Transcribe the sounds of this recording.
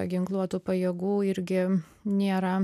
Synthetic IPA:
ɐɡʲɪŋklˠuɔt̪uːpɐjiːɡuːɪɾʲɡʲɪ | nʲeːɾɐ

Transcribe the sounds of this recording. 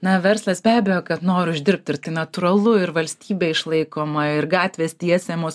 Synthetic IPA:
nɐʋʲɛrslˠɐsʲbʲæːbʲeːjoːkɐt̪noːɾʊʊʒʲd̪ʲɪɾp̚ʲt̪ʲɪɾt̪ɐɪnɐt̪ʊɾɐlˠʊɪɾʋɐlʲsʲt̪ʲiːbʲeːɪʃlˠɐɪkoːmɐɪrɡɑːt̪ʲʋʲeːst̪ʲiɛsʲɛmoːs

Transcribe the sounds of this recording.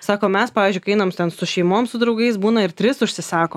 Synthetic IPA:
sɑːkoːmʲɛspɑːʋʲiːzʲd͡ʒʲʊkɛɪnɐmt̪ʲɛnsʊʃʲɛɪmoːmsʊd̪ɾɒʊɡɐɪsbuːnɐɪɾt̪ʲɾʲɪsʊʃʲsʲɪsɑːkoː

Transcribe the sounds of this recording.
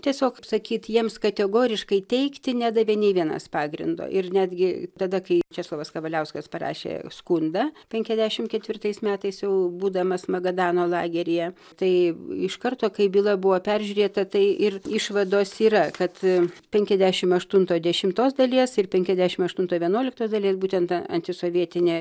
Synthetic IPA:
t̪ʲiɛsʲoːksɐkʲiːt̪jiɛmskɐt̪ʲɛɡoːɾʲɪʃkɐɪt̪ʲɛɪkt̪ʲɪnʲæd̪ɐʋʲeɛnʲɛɪʋʲiɛnɐ̰spɑːɡɾʲɪ̰nd̪o̰ːʔɪrnʲæːd̪ʲɡʲɪt̪ɐd̪ɐkɐɪt͡ʃʲæːslˠoːʋɐskɐʋɐlʲɛʊskɐspɐɾɑ̰ːʃʲḛskʊnd̪ɐpʲɛŋʲkʲɛzʲd̪ʲæːʃʲɪmkʲɛt̪ʲʋʲɪrt̪ɐɪsmʲæːt̪ɐɪsjɛʊbuːd̪ɐmɐsmɐɡɐd̪ɑːnoːlˠɑ̰ːɡʲɛɾʲɪjɛ | t̪ɐɪɪʃkɐrt̪oːkɐɪbʲilˠɐbʊʋoːpʲæɾʲʒʲʉɾʲiːt̪ɐt̪ɐɪʔɪrɪʃʋɐd̪oːsiːɾɐkɐt̪pʲɛŋʲkʲɛzʲd̪ʲæːʃʲɪmɐʃt̪ʊnt̪oːd̪ʲɛʃʲɪmt̪oːsd̪ɐlʲiɛsɪrpʲɛŋʲkʲɛzd̪ʲæʃʲɪmɐʃt̪ʊnt̪oːʋʲiɛnuɔlʲɪkt̪oːsd̪ɐlʲiɛsbuːt̪ʲɛnt̪ɐɐ̰nʲt̪ʲɪsoːʋʲiɛt̪ʲɪnʲe

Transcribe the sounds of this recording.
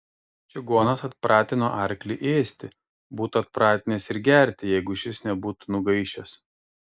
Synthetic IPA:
t͡ʃʲɪɡoːnɐsɐt̪̚pɾʔɑːt̪ʲɪnoːʔɐɾʲklʲiʔeːsʲt̪ʲɪ | buːt̪uɐt̪̚pɾɑːt̪ʲɪnʲesɪɾɡʲæˑɾʲt̪ʲɪjɛɪɡʊʃʲɪsnʲɛbuːt̪unʊɡɐɪʃʲɛs

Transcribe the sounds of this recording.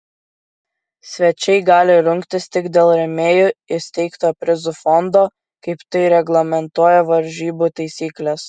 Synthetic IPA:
sʲʋʲɛt͡ʃʲɛɪɡɑːlʲɪɾʊŋʲkt̪ʲɪst̪ʲɪɡd̪ʲeːlˠɾʲɛmʲeːjuːɪsʲt̪ʲɛɪkt̪oːpʲɾʲɪzufɔnd̪oː | kɐɪpt̪ɐɪɾʲɛɡlˠɐmʲɛnt̪uɔjɛʋɐɾʲʒʲiːbuːt̪ɐɪsʲiːklʲɛs

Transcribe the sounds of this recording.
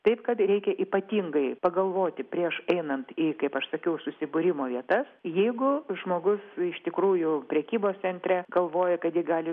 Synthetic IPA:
t̪ɐɪpkɐt̪ɾʲɛɪkʲɛʔiːpɐt̪ʲiːŋɡɐɪpɐɡɐlˠʋoːt̪ʲɪpʲɾʲiɛʃɛɪnɐnt̪iːkɐɪpɐʃsɐkʲɛʊsʊsʲɪbʊɾʲɪmoːʋʲiɛt̪ɐsjɛɪɡʊʒmoːɡʊsɪʃt̪ʲɪkɾuːjʊpʲɾʲɛkʲiːboːst̪sʲɛnʲt̪ʲɾʲɛɡɐlˠʋoːjɛkɐt̪jɪɡɑːlʲɪ

